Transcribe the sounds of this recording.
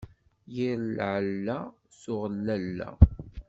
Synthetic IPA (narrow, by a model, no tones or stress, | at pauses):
jiɾlʕəlːæ | sʊʁəlːælːæ̰